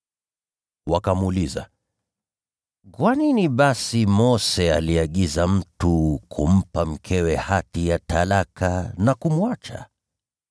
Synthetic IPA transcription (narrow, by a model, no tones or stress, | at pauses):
wakamuliza̰ | kwaniniɓasimɔsɛaliaɠizam̩tukʰum̩pam̩kʰɛwɛhatijatʰalakʰanakumuat͡ʃa̰